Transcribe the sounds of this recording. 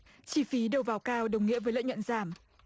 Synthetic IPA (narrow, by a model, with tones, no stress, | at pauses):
t͡ɕi˧˩fi˨˦ɗə˨˩wvaː˨˩wkaː˧wɗə˨˩wŋḭ˧˥əvəː˨˦jlə̰ː˧˥j̚ɲə̰˧˨nzaː˧˩m